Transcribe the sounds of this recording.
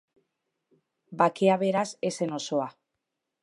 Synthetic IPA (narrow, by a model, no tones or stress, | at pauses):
bakeaβe̞ɾase̞se̞no̞soa